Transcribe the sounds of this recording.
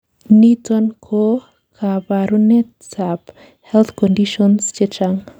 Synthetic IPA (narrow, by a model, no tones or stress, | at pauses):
nitɔnkʰo | kʰabaɾune | sap | hɛlt̪ʰkɔndiʃɔnst͡ʃet͡ʃaŋ